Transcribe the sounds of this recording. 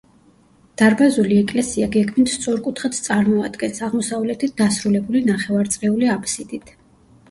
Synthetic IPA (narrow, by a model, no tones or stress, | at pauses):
d̪̥aɾbazuliɛkʼlɛsiaɡɛɡmint̪st̪sʼɔɾkʼut̪ʰχat̪t̪sʼaɾmɔad̪ɡɛnsaʁmɔsavlɛt̪ʰit̪̚d̪asɾulɛbulinaχɛvaɾt̪sʼqʼɛuliapʰsid̪it̪ʰ